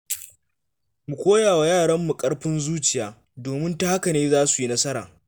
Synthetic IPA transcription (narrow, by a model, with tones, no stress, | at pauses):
mu˨kʷoː˦jaː˨wa˨jaː˦˨ɽɐ˦mːu˨kʼɐ˦ɽɸɪ˦nzuː˦t͡ʃɪ˨jaː˨ | doː˨mɪ˦nta˦ha˦ka˨neː˦zaː˦su˨ji˦nɐ˦sɐ˦ɾa̰ː˨